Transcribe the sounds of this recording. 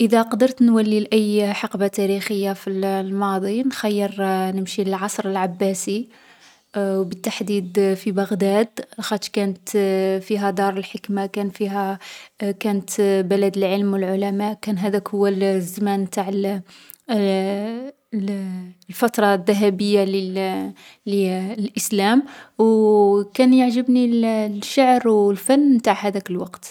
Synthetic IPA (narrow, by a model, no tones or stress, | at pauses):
ʔəd̪æqɑd̪əɾt̪nwælːilʔæjːħɑqbat̪æɾixəjːafillmɑd̪ˤinxæjːəɾnəmʃiləlʕɑsˤɾˤəlʕabːæsi | wbət̪ːaħd̪id̪fibɑɣd̪æd̪lxɑt̪kænət̪fiɦæd̪ɑɾˤəlħəkmakænfiɦæ | kænət̪bælæd̪əlʕəlmwəlʕʊlæmæʔkænɦæd̪ækhʊwːælzamænmt̪aʕəl | lfɑt̪ɾˤɑd̪ːæɦæbəjːali | lilʔəslæmwkænjəʕʒəbnillʃaʕɾwlfænːmt̪aʕhæd̪ækəlwɑqt̪